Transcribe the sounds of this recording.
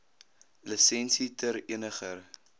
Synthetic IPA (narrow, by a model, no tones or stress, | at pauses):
ləsɛnsitəɾiənəχər